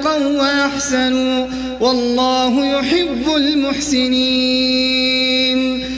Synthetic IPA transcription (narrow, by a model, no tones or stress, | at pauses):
qɑnwaʔaħsanuː | wɑlˤːɑːɦʊjʊħɪbːʊlmʊħsɪniː | n